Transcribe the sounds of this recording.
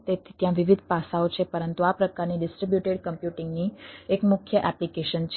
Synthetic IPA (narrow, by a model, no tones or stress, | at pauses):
t̪et̪ʰit̪jãʋiʋid̪ʱpasaot͡ʃʰepəɾənt̪uapɾəkaɾniɖɪsʈɾibjuʈeɖkəmpjuʈiŋɡniekmʊkʰːjəʔɛplikeʃənt͡ʃʰ